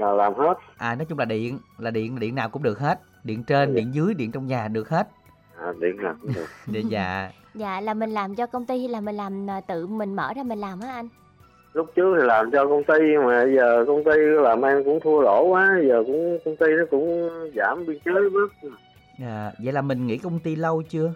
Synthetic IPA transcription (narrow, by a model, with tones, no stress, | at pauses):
laː˨˩laː˨˩mhe˦˥t̚ʔaː˨˩nɔ˨˦t͡ɕʊ˨˦ŋ͡mlaː˨˩ɗḭ˧˨ənlaː˨˩ɗḭ˧˨ənaː˨˩ɗḭ˧˨ənːaː˨˩wkʊ̰˧˥ŋ͡mɗɨ˨˩k̚he˦˥t̚ | ɗḭ˧˨ənt͡ɕe˧nɗḭ˧˨ənzɨ˨˦əjɗḭ˧˨ənt͡ɕɔ˧wŋ͡mɲaː˨˩ɗɨ˨˩ək̚he˦˥t̚ | ʔaː˨˩ɗḭ˧˨ənaː˨˩wkʊ˧˥ŋ͡mɗɨ˨˩ək̚ə˧˩za̰ː˧˨ | za̰ː˧˨laː˨˩mi˨˩ŋ̟laː˨˩mt͡ɕɔ˧kə˧wŋ͡mt̪i˧laː˨˩mï˨˩ŋ̟laː˨˩mː˨˩t̪ɨ̰˧˨mï˨˩ŋ̟mə̰ː˧˩zaː˧mï˨˩ŋ̟laː˨˩mʔaː˨˦ʔa˧jŋ | lʊ˦˥k͡p̚t͡ɕɨ˦˥ək̚t̪ʰi˨˩laː˨˩mt͡ɕɔ˧kə˧wŋ͡mt̪i˧maː˨˩ɓə˧jzəː˨˩kə˧wŋ͡mt̪i˧˦laː˨˩mʔɛ˧nkʊ̰˧˥ŋ͡mt̪ʰu˧əlo˧˩waː˨˦zəː˨˩kʊ̰˧˥ŋ͡mkə˧wŋ͡mt̪i˧nɔ˨˦kʊ̰˧˥ŋ͡mzaː˧˩mɓi˧ənt͡ɕəː˦˥˦ɓɨ˦˥k̚ | zaː˧˨zə̰˧˨jlaː˨˩mï˨˩ŋ̟ŋḭ˧˥kə˧wŋ͡mt̪i˧lə˧wt͡ɕɨ˧ə